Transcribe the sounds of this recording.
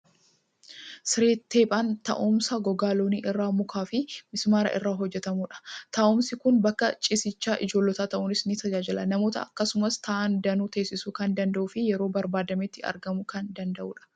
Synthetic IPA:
sɪɾeːt̪ːe̞ːpʼaːnt̪ɐ̰ʔʊmsɐɡɔɡaːloːniːʔɪrːaːmʊkʰaːfɪmɪsmaːɾɐ̰ʔɪ̰rːaːɦɔd͡ʒːɛt̪ɐmuːᶑɐ̥t̪ɐʔɔmsɪkʊnbɐkːɐt͡ʃʼɪsɪt͡ʃːaːʔɪd͡ʒo̞ːlːɔt̪aːt̪ɐʔʊnɪsnɪt̪ɐd͡ʒaːd͡ʒɪlɐnɐmo̞ːt̪ɐ̰ɐkːɐsʊmɐst̪ʰaʔɐnd̪ɐnuːt̪e̞ːsːɪsuːkɐnd̪ɐnd̪ɐʔuːfɪjɛɾo̞ːbɐɾbaːd̪ɐmet̪ːɪɐ̰ɾɡɐmʊkɐnd̪ɐnd̪ɐʔṵːᶑɐ̥

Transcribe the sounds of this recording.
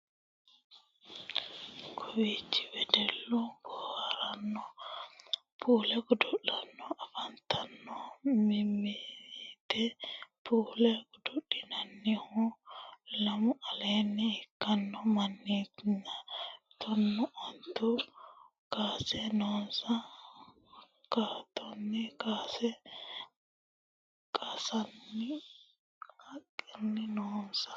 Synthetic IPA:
kʰowit͡ʃi̥wɛdɛlːuɡɔhaɾanːɔ | pʰulɛkɔdɔɗanːɔafantʰanːɔmimitɛpuːlɛkɔdoɗːinanːihɔ | lɐmʊʔɐlenːɪɪkːɐnːɔmɐnːiːt̪ɪnːɐ | t̪ɔnːɔʔɔnt̪ːʊ | kaːsɛnoːsɐ | kaːt̪ːɔnːɪkaːsɛ | kʼɐsɐnːɪ | hɐkʼːɪnːɪnoːsɐ̥

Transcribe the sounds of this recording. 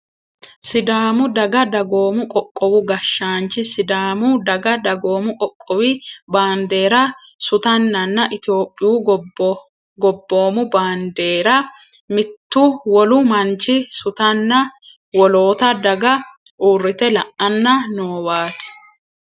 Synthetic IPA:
sɪd̪aːmʊd̪ɐɡɐd̪ɐɡo̞ːmʊkʼɔkʼːɔwʊɡɐʃːaːnt͡ʃɪsɪd̪aːmʊd̪ɐɡɐd̪ɐɡo̞ːmʊkʼɔkʼːɔwɪbaːnd̪e̞ːɾɐ | sʊt̪ɐnːɐnːɐʔɪt̪ɪo̞ːpʼːɪjuː | ɡɔbːo̞ːmʊbaːnd̪e̞ːɾɐ | mɪt̪ːʊwɔlʊmɐnt͡ʃɪsʊt̪ɐnːɐ | wɔlo̞ːt̪ɐd̪ɐɡɐ | ʔuːrːɪt̪ɛlɐʔɐnːɐnoːwaːt̪ɪ̥

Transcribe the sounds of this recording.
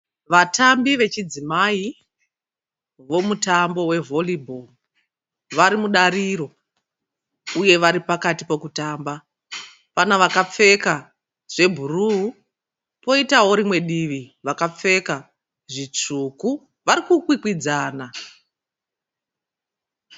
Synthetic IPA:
ʋatambiʋe̞t͡ʃid͡zimai | ʋo̞mutambo̞we̞vʱo̞libʱol | ʋaɾimuɗaɾiɾo̞ | uje̞ʋaɾipakatipo̞kutaːmba | panaʋakap͡fe̞ka | ʐ̥e̞bʱuruu | po̞itaɦo̞ɾimwe̞ɗiʋiʋakap͡fe̞ka | ʐit͡ʂuku | ʋaɾikukwikwid͡zaːna

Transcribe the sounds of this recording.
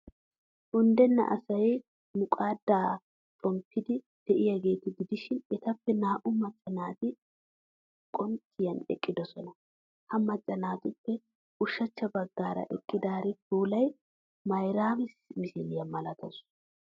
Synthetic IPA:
ʔʊnd̪ɛnːɐ̰ʔɐ̰sɐj | mʊkʼaːd̪ːaː | t͡ʃʼɔmpʰːɪd̪ɪ | d̪̥ɛʔɪjɐɡe̞ːt̪ɪɡɪd̪ɪʃɪnɛt̪ɐpːɛnaːʔʊmɐt͡ʃʼːɐnaːt̪ɪ | kʼɔnt̪ʰːɪjɐnɛ̰kʼːɪd̪ɔsɔnɐ | hɐmɐt͡ʃʼːɐnaːt̪ʊpːɛ | ʔʊʃːɐt͡ʃːɐbɐɡːaːɾɐ̰ʔɛkʼːɪd̪aːɾɪt̪uːlɐj | mɐjɾaːmɪsmɪsɪlɪjɐmɐlɐt̪ɐs

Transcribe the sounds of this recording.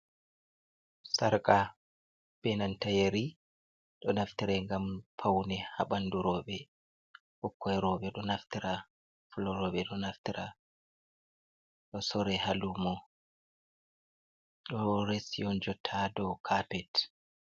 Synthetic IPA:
saɾkʼa | b̥ɛnantajeɾi | ɗɔnaftiɾɛŋɡampʰawnɛhaɓanduɾɔːɓɛ | hɔkːɔɛɾɔɓɛɗɔnaftiɾa | fulɔɾɔːɓɛɗɔnaftiɾʔa | ɗɔsɔɾɛhalumɔ | ɗɔɾesiɔnd͡ʒɔtʰadɔkʰapɛt

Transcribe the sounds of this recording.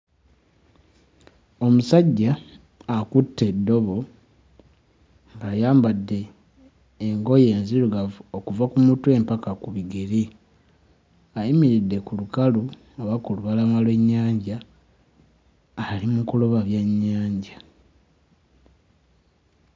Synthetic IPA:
o̞musaɟːaː | kutːe̞dːo̞βo̞ | ŋɡajaːmbadːe̞ː | ŋɡo̞je̞ːnziɾuɡavokuvakumutue̞ːmpakakuβiɡeɾi | ajimiɾidːe̞kulukalu | oβakuluβalamalwe̞ɲːaːɲɟa | limukuloβaβjaɲːaːɲɟa

